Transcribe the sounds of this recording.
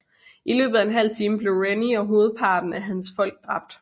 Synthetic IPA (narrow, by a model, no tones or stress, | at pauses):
ʔilø̰ːb̥ð̩ˠæe̝nɦæl̰t͡sʰiːməb̥le̝ʊʁeniɒ̽ɦo̝ːð̞̩ˠpʰɑ̈ːd̥n̩æɦænsfɒ̽l̰ɡ̥̚d̥ʁɑ̈b̥̚d̥